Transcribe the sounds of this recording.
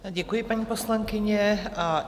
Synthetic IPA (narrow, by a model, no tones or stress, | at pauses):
ɟɛkujɪpaɲiːpo̞slaŋkɪɲɛa